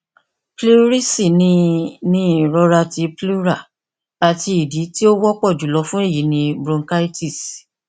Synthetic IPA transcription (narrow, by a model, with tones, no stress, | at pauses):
plu˦ɾi˦si˦˨nĩ˧nĩ˦˨ɾɔ˧ɾa˧ti˧plu˦ɾa˦˨ | a˨ti˧i˨di˨˦ti˦o˦wɔ˦k͡pɔ˦˨d͡ʒu˨˦lɔ˧fũ˦e˦˨ji˨˦nĩ˧bɾũ˧ŋka˦i˦ti˦˨s